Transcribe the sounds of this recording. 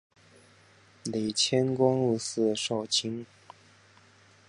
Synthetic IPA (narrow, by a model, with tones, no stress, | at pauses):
li˨˩ɪt͡ɕʰjɛ˥nkwɑ˥ŋɻu˥˧sɹ̩˥˧ʂɑ˥˩ʊt͡ɕʰi˥ŋ